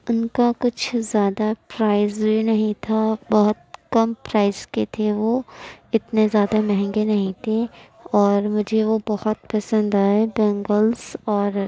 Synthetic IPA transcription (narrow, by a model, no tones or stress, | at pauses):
ʊnkakʊt͡ʃʰzjaːd̪apɾaːɪzbʱinɐɦĩt̪ʰabɔɦʊt̪̚kɐmpɾaːɪz̥ket̪ʰeʋoɪt̪nezjaːd̪amɛɦɛ̃ŋɡenɐɦĩt̪ʰe | ɔːɾmʊd͡ʒʱeʋobɐhʊt̪pɐsə̃nd̪aːɛbɛ̃ːŋɡəlsɔːɾ